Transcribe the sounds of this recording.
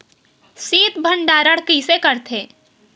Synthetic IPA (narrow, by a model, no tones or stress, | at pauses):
siːt̪bʱəɳɖaːɾəɽkisekəɾt̪ʰeː